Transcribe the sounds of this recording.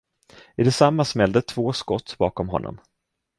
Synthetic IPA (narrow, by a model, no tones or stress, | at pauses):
ɪd̪ɛsamːasmɛld̪ət̪ʰvoːskɔt̪ːbɑ̰ːkɔmɦɔ̰nːɔ̰m